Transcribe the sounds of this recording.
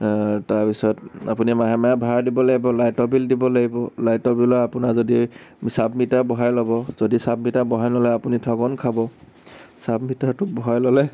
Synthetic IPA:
taɹpisɔta̰punimaɦɛmajabʱaɹdibɔlaɡibɔlajtɔbildibɔlaɡibɔlajtɔbilɔapunazodisabmitabɔɦajlɔbɔzodisabmitabɔɦajnɔlɛapunitʰɔɡɔnkʰabɔ | sabmitaɹtʊbɔɦajlɔlɛ

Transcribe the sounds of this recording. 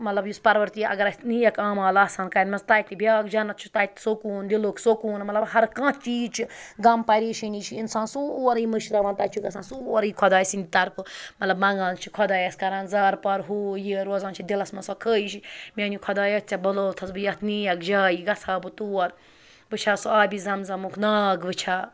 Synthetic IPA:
mɐt̪lɐbjuspɐɾʋɐɾt̪iɐ̰ɡɐɾɐnijɐkaːmaːlaːsaːnkɐːnʲmɐnst̪aːit̪ːibʱʲjaːkd͡ʒɐnɐt̪t͡ʃʰu̥t̪aːit̪sokuːnd̪iloːksokuːnmɐt̪lɐbhɐɾkãːt͡ʃiːd͡ʒt͡ʃʰiɡɐmpɐɾiːʃinʲit͡ʃʰiinsãːnsuɐɾiːmɨʃɾɐʋaːnt̪aːt͡ʃʰiɡɐsãːnsuːɐɾiːkʰɔd̪aːsind̪ʲit̪ɐɾpʰɨmɐt̪lɐbmɐŋɡaːnt͡ʃʰikʰɔd̪aːjɐskɐɾãnzaːɾpɐɾɦuːjiɾoːzãːnt͡ʃʰid̪ilɐsmɐnsɔkʰəːiʃimʲanikʰɔd̪aːjɐst͡sʲɐbɐloːt̪ʰɐsbɨjɐt̪ʰniɐkʰd͡ʒaːjiɡɐt͡sʰaːbɨt̪uːɐɾ | ʋɨt͡ʃʰaːsuaːbʲizɐmzɐmukʰnaːɡʋɨt͡ʃʰaː

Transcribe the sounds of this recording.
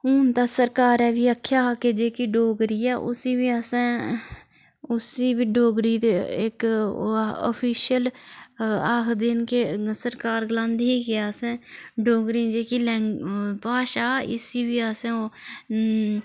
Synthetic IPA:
uːnt̪aːsəɾkaːɾɛːʋiːəkʰːjaːkeːd͡ʒeːkiːɖoːɡɾiːɛːʔʊ̰siːʋiːaːsẽː | ʊsiːbiːɖoːɡɾiːt̪eɪ̰k | ɔ̰pʰiːʃəl | aːxd̪ɪnkeːsəɾkaːɾɡlãːnd̪iːkeaːsẽːɖoːɡɾĩːd͡ʒeːkiːlɛ̃ŋɡpaːʃaːɪ̰siːʋiːasẽːoː

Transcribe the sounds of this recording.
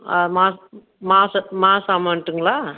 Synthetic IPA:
ɐmaːs | maːsɐmaːsaːmaːnʈːɯŋɡɐɭaː

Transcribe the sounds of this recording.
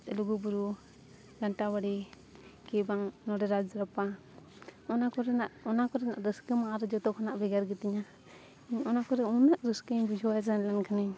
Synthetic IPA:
t̪luɡubuɾu | ɡaɳʈabaɽi | kɛbaŋnɔɾɛɾad͡ʒɾapa | ɔnakɔɾɛnaʔɔnakɔɾɛna̰ʔdəskəmaʔaɾɛd͡ʒɔt̪ɔkʰɔnaʔbɛɡaɾɡɛt̪iɲa | iɲɔnakɔɾɛunaʔɾəskəɲbid͡ʒʱɔazanlɛnkʰaniɲ

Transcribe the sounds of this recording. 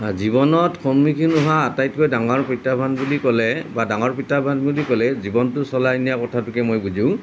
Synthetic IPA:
zibɔnɔtkʰɔmmikʰinʊɦaːtajtkojdaŋɔɹpitabʱanbulikɔlɛbadaŋɔɹpitabʱanbulikɔlɛzibɔntʊsɔlajnijakɔtʰatʊkɛmojbuzʊ̃

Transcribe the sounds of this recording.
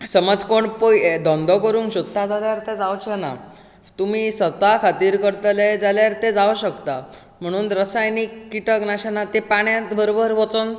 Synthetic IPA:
səməd͡zkoɳpojed̪ɔ̃nd̪ɔkəɾuːŋkɕud̪ʱːad͡zaljaɾt̪ed͡zawt͡ɕʰana̰ | t̪um̤iːsʋət̪akʰat̪iːɾkəɾt̪led͡zaljaɾt̪ẽd͡zaʋɕəkt̪a | m̤əɽ̃uːnɾəsajnikːiʈəknaɕanat̪epaɳjãt̪bəɾobəɾʋot͡son

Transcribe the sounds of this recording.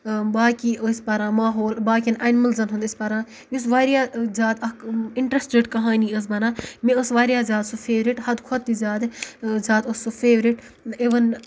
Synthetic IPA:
baːkispɐɾãːmaːɦoːlbaːkʲinʔɐnmɐlzɐnɦũnd̪isʲpɐɾãː | jus̬ʋaːɾjaːzaːt̪ɐkiɳʈɾɐsʈɾeʈkɐɦaːniɐs̬bɐnãːmẽəsʋaːɾjaːzaːd̪supʰeːʋɾiʈhɐd̪kʰot̪ːizaːd̪zaːt̪ɐsːufʰeːʋɾiʈ | iʋɐn

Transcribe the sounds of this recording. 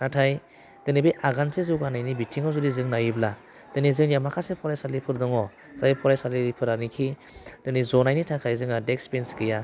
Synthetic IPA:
natʰaj | d̥ɯnibijʔaɡansezɯwɡanajnibitʰiŋɔzɯdizɯŋnajibla | d̥ɯnizɯŋjamakʰasepʰɔɾajsalipʰɯɾdɔŋɔ | z̥ajipʰɔɾajsalipʰɯɾanikʰi | d̥ɯnizɔnajnitʰakʰajzɯŋadekspenskɯja

